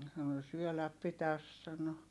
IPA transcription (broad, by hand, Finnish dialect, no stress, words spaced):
sɑno syølæp pitæs sɑno